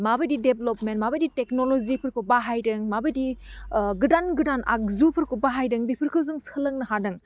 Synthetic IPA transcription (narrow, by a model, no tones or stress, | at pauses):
mabɐdideblopmentmabɐditeknolozipʰɯɾkʰobaɦajdɯŋmabɐdi | ɡɯdanɡɯdanʔa̰k̚zupʰɯɾkobaɦajdɯŋbipʰɯɾkʰɯwzuŋsɐlɐŋnɐɦadɯŋ